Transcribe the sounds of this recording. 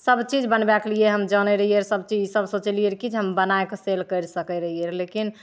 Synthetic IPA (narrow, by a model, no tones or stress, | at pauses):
səbt͡ʃid͡ʒbənbaklijeɦəmd͡ʒənɛɾəɦijəɾsəbt͡ʃid͡ʒisəbsõt͡ʃelijəɾkid͡ʒeɦəmbənaekselkəɾsəkɛɾəɦijəɾlekin